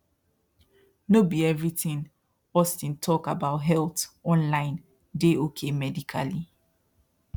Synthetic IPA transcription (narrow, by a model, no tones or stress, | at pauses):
nobiɛvɹitĩn | ɔstĩntʰɔkabaʊtɦɛltɔ̃nlãɪ̃n | deokʰemɛdikʰa̰li